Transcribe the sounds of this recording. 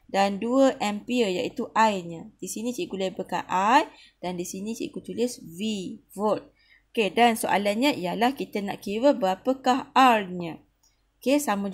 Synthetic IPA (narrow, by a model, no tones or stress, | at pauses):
danduəʔɛmpiəja̰ʔit̪uʔajɲə̃d̥isinĩt͡ʃiʔɡulajbəka̰ʔaj | d̥andisinĩt͡ʃḭʔɡut̪ulɪsvivot̪̚ | okedansoʔa̰lanɲãijalahkit̪əna̰ʔkiwəbəapəkaɦarɲə̃ | okesamə̃